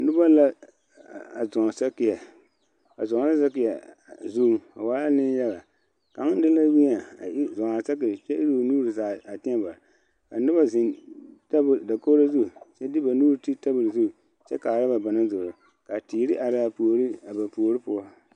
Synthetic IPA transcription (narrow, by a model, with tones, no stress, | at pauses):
nʊ˦ba˦la˦ | a˨zɔ˨ŋ˨sa˦kɪ˨ja˨ | a̰˨zɔ˨ŋ˨la˦sa˦kɪ˨ja˨zu˦a˨wa˦la˦nɪ˦n˦jɛ˦ɣa˨ | ka˨˦ŋ˦dɪ˦la˦wi˦a˨a˨i˦zɔ˨ŋa˨sa˦kɪ˨t͡ʃɛ˦ʔi˦ɾu˦˨nuː˦ɾɨ˨zaː˨a˨tɪ˦a˦ba˨ | ka˨nɨ˦ba˦zɪ˨nta˦bda˨ko˦la˦zu˦˨t͡ʃɛ˦dɪ˦ba˨nuː˦ɾti˦ta˦bɨ˨ɾzu˦˨ | t͡ʃɛ˦ka˨ɾa˦ba˨ba˨na˦zo˨ɾɔ˨ | ka˨ti˨˦ɾɪ˦ʔa˨ɾa˦a˨pu˨o˨ɾi˦a˨ba˨pu˨o˨ɾi˦pʊ˦ɔ˦